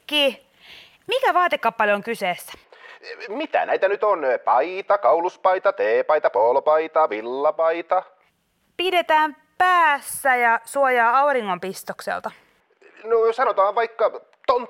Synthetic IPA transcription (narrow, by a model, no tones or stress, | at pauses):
kiː | mikæʋɑːt̪ekːɑppːɑljoŋkyseːsːæ̥ | mit̪æ̰næit̪ænyt̪onpɑit̪ɑkɑuluspɑit̪ɑt̪eːpɑit̪ɑpoːlpɑit̪ɑʋilːɑpɑit̪ɑ | pidet̪æːm | pæːsːæjɑsuojɑːɑuriŋːompist̪oksḛlt̪ɑ | nosɑnot̪ɑːʋʋɑikːɑ | t̪ont̪